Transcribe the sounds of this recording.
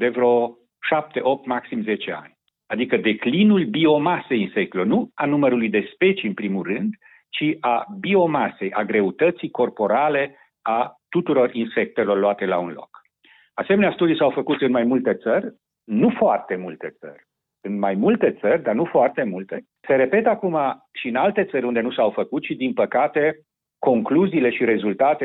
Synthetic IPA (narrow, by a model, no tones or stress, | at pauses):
d̪e̞vɾo̞ | ʃap̚t̪e̞ʔo̞p̚t̪maksimze̞t͡ʃe̞a̰nʲ | ad̪ikəd̪e̞klinulbio̞mase̞jinse̞k̚t̪elornuanuməɾulujd̪e̞spe̞t͡ʃiɨnpɾimurɨnd̪ | t͡ʃiʔabio̞mase̞jʔaɡɾe̞ut̪ət̪sijko̞rpo̞ɾale̞ | at̪ut̪uɾo̞rinse̞k̚t̪e̞lo̞rloat̪e̞launlo̞̰k | asemeneast̪ud̪ijsawfəkut̪ɨnmajmult̪e̞t̪sərʲ | nufoart̪e̞mult̪e̞t̪sə̰rʲ | ɨnmajmult̪e̞t̪sərʲd̪arnufoart̪e̞mult̪e̞ | se̞ɾe̞pe̞t̪akuma | ʃiɨnalt̪e̞t̪səɾʲund̪e̞nusawfəkut̪̚t͡ʃid̪inpəkat̪e̞ | ko̞ŋkluziːle̞ʃiɾe̞zult̪at̪e